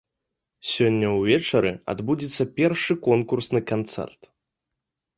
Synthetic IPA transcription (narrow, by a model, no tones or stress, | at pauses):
sʲɔnʲːɐwvʲɛt͡ʂɐɾɨa̰d̪bud͡zʲit̪sːɐpʲɛrʂɨkɔnkursnɨkant̪sɛ̰rt̪